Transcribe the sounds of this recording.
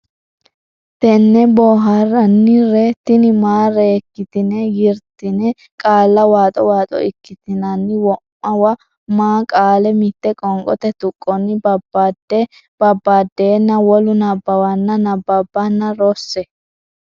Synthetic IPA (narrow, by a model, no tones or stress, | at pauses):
t̪ɛnːɛboːɦaɾɐnːɪɾɛt̪ɪnɪmaːɾɛɛkːɪt̪ɪnɛjɪɾt̪ɪnɛ | kʼaːlːɐwaːt̪ʼɔwaːt̪ʼɔ̰ɪkːɪt̪ɪnɐnːɪwɔmːɐwɐ | maːkʼaːlɛmɪt̪ːɛkʼɔŋkʼɔ̰t̪ɛt̪ʊkʼːɔnɪbɐbadɛ | bɐbːaːd̪ːeːnːɐwɔlʊnɐbːɐwɐnːɐnɐbɐbːɐnːɐɾɔsːɛ